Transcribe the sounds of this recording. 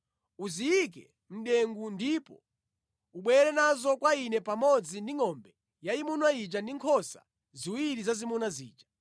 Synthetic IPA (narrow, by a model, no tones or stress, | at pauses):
uziik̬ɛ | m̩ɗɛŋɡundipɔ̰ | uɓwɛɾɛnazɔkwainɛpamɔd͡zindiŋɔmbɛ | jaimunwait͡ʃandiŋkʰɔsa̰ | ziwiɾizazimunwazḭːt͡ʃḁ